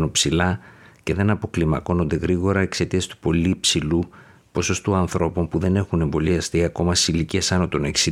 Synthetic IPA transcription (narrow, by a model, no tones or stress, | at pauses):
nopsilɐce̞ðe̞nɐpo̞klimɐko̞no̞nd̪e̞ɣɾiɣo̞ɾɐekse̞t̪iɐst̪u̥po̞liːpsilu | po̞so̞st̪oɐnθɾo̞po̞mpuðe̞ne̞xune̞mbo̞liɐst̪iɐko̞mɐse̥siliciesɐnot̪o̞ne̞ksi